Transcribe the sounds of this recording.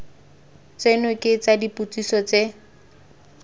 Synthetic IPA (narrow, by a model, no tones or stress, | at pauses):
t͡senʊkʼet͡sadiput͡sisɔt͡se